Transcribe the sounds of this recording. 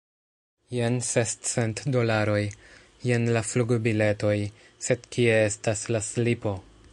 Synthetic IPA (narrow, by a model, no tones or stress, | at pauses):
jensest͡se̞ntdo̞laɾo̞j | je̞nlafluɡbile̞to̞j | se̞dkʰie̞e̞staslaslipo̞